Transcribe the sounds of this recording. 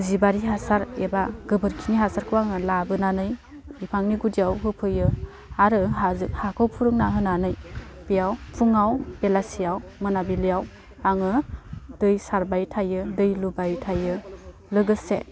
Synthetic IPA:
zibaɾiɦasaɾebaɡɯbɯɾkʰiniɦasaɾkʰɯwaŋɯlabɯnanɯj | bipʰaŋniɡudiawɦɯpʰɯjɯ | aɾɯɦazɯk̚hakʰɯwpʰuɾɯŋnaɦɯnanɯj | pijawpʰuŋawbelasijawmɯnabilijaw | aŋɯd̥ɯjsaɾbajtʰajɯdɯjlubajtʰajɯ | lɯɡɯsḛ

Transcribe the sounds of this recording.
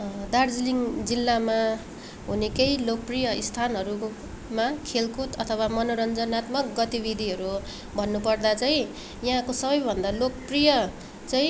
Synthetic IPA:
d̪ard͡zliŋd͡zilːama | ɦunekejlok̚prijʌist̪ʰanɦʌɾu | makʰelkut̪ʌt̪ʰʌwamʌnoɾʌnd͡zʌnat̪mʌkɡʌt̪ibid̪ʱiɦʌɾu | bʱʌnːupʌrd̪at͡sʌĩ | jaɦãkosʌβʌjbʱʌnd̪alok̚prijʌ | t͡saĩ

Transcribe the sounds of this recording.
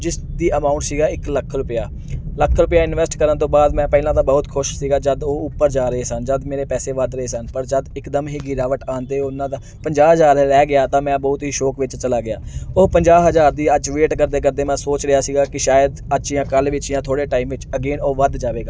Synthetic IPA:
d͡ʒɪsd̪iːəmaːʊ̃ɳʈsiːɡaːɪkləkʰɾʊpɪjaː | ləkʰːɾʊpɪjaːɪnʋɛːsʈkəɾənt̪õːbaːd̪mɛ̃ːpɛːlãːt̪ãːbəʊt̪kʰʊʃsiːɡaːd͡ʒəd̪oːʊpːəɾd͡ʒaːɾəɦeːsənd͡ʒəd̪meːɾeːpɛːseːʋəd̪ɾəɦeːsənpəɾd͡ʒəd̪ɪkd̪əmɦiːɡɪɾaːʋəʈaːnt̪eːʊnãːd̪aː | pəɲd͡ʒaːɦəzaːɾlɛːɡɪjaːt̪ãːmɛ̃ːbɔːʊt̪ɦiːʃoːkʋɪt͡ʃt͡ʃəlaːɡɪja̰ːʊːpəɲd͡ʒaːɦəzaːɾd̪iːət͡ʃʋeːʈkəɾd̪eːkəɾd̪eːmãːsoːt͡ʃɾəjaːsiːɡaːkɪʃaːjəd̪əʃiːãːkəlʋɪt͡ʃijãːt̪ʰoːɽeːʈaːiːmʋɪt͡ʃəɡeːnoːʋəd̪d͡ʒaːʋeːɡaː

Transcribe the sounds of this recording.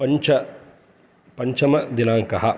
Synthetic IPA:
pɐɲt͡ʃɐ | pɐɲt͡ʃɐmɐd̪inaːŋkɐɦɐ

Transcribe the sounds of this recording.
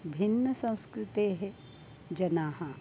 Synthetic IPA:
bʱinːəsɐ̃w̃skɾɪt̪eːɦe | d͡ʒɐnaːɦɐ

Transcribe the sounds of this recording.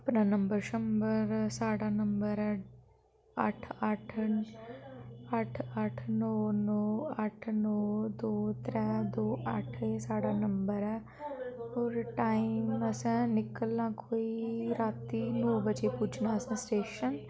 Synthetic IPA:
əpnaːnəmbəɾʃəmbəɾsaːɽaːnəmbəɾɛː | ə̰ʈʰəʈʰ | əʈʰəʈʰnɔːnɔːəʈʰnɔːd̪oːt̪ɾɛːd̪oːʔəʈʰesaːɽaːnəmbəɾɛː | oːɾʈaːiməsɛ̃ːnɪkəlnãːkʰoːiːɾaːt̪ːiːnoːbəd͡ʒeːpʊt͡ʃʰnaːəsɛ̃ːsʈeːʃən

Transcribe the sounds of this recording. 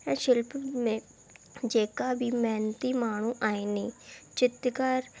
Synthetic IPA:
ɛ̃ːʃɪlpmẽː | d͡ʒeːkaːbʱiːmɛːnt̪iːmaːɳ̃ũːʔaːeːnĩːt͡ʃɪt̪kaɾ

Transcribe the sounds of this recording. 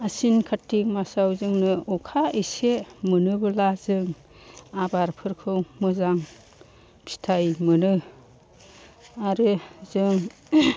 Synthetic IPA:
asinkʰatːiŋmasawzɯŋnɯɔkʰaisemɯnɯbɯlazɯŋ | abaɾpʰɯɾkʰɯwmɯzaŋ | pʰi̥tʰajmɯnɯ | aɾɯzɯŋ

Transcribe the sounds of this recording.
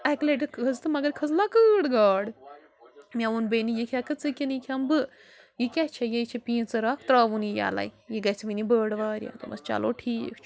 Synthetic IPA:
ɛkleʈɨkʰɐzt̪ɨmɐɡɐɾkʰɐzlakɨːɽɡaːɽ | mʲaʋunbenijikʰakɨt͡sɨkʲinikʰʲambɨ | jikʲat͡ʃʰɐjejt͡ʃʰepĩːt͡sɨɾaːkʰt̪ɾaːʋunija̰ːla̰jjiɡɐt͡sʰiʋinibəːɽʋaːɾʲja̰t̪umʔɐ̰st͡ʃa̰ːlo̰ːʈʰiːkʰt͡ʃʰu̥

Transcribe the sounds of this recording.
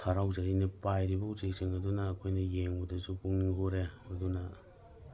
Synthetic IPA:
tʰaɾawzainipajɾibɐuzek̚siŋɐdunɐːkʰojnɐjeŋbudɐsupuŋniŋɦoɾehojdunɐ

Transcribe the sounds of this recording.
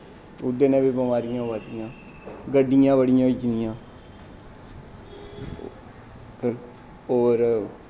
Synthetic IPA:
ʊd̪ːeːnɛ̃ːbibəmaːɾɪjãːʋaːt̪ɪjãː | ɡəɖːɪjãːbəɽɪjãːit͡ʃɪnɪjãː | kə | oːɾ

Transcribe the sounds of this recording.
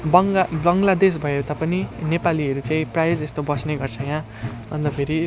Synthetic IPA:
bʌŋbʌŋɡlad̪es̬bʱʌet̪apʌninepaliʌɾut͡saĩprajed͡zest̪obʌsneɡʌrt͡sʰʌjã | ʌ̰nd̪ʌpʰeɾi

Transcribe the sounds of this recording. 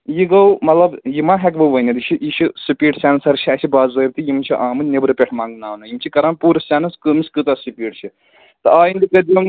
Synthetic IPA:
jiɡɐwmɐt̪lɐbjimaːɦɛkbɨʋɐnʲɐd̪it͡ʃʰiʔit͡ʃʰisipiːʈsʲaːnsɐɾt͡ʃʰiaːʃʰibaːzzɐjb̚t̪ijimt͡ʃʰiʔaːmɨnʲnebɾɨpʲeʈʰmaːŋɡnaːnɐjimt͡ʃʰikɐɾaːnpuːɾɐsaːnɐskɨmiskɨt̪ɐsipʲiːʈt͡ʃʰi | t̪ɨaːjind̪ikɐd̪jɐm

